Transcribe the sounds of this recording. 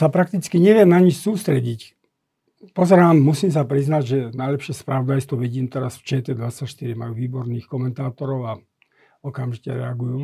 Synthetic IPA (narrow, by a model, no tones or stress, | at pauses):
sapɾak̚t̪it͡skiɲɛʋɪɛmnaɲit͡ʃsuːst̪ɾɛɟic | pɔzɛɾaːmːusiːms̬apɾiznaɟʒɛnajlɛpʃɪɛspɾaʋɔd̪ajst̪ʋɔʋiɟiːmt̪ɛɾasft͡ʃɛːt̪ɛd̪ʋat͡sːacʃt̪iɾimajuːʋiːbɔɾniːxkɔmɛnt̪aːt̪ɔɾɔʊa | ɔkamʒicɛ̰ɾɛaɡujuː